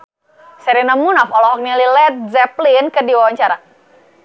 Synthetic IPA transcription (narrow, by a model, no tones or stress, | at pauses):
sɛɾinamunɔfɔlɔɦɔk̚nalilɛt̪̚zɛplinkədiwawaɲt͡ʃaɾa